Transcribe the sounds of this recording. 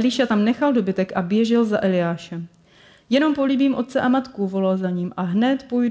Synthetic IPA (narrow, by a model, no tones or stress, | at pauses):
lɪʃat̪amnɛxaldo̞bɪt̪ɛkʔabjɛʒɪlzaʔɛlɪjaːʃɛm | jɛno̞mpo̞libiːmʔo̞t̪̚t͡sɛʔamat̪kuvo̞lalzaɲiːmʔaɦnɛt̪pojd